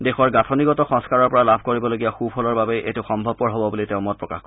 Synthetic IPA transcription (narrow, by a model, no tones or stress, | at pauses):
dexɔɹɡatʰɔniɡɔtɔxɔ̃ŋskaɹɔɹpɔɹalabʱkoɹibɔloɡijaxupʰɔlɔɹbabeʔḛtʊxɔmbʱɔb̚kɔɹɦɔbɔbuliteʊ̃mɔt̚pɹɔka̰xk